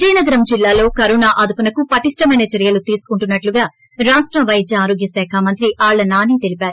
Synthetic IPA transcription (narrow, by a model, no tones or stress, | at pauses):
t͡ʃiːnɐɡɐɾɐmd͡ʒilːaːlo̞ːkɐɾunaːʔɐd̪ʱupɐnɐkupɐʈiʂʈɐmɐjnɐt͡ʃɐɾijɐlut̪iːsu̥kuɳʈunːɐʈluɡaː | ɾaːʂʈɾɐʋɐjd͡ʒ̪jɐaːɾo̞ːɡjɐsɛːkʰaːmɐnt̪ɾiaːɭːɐnaːniːt̪elipaːɾu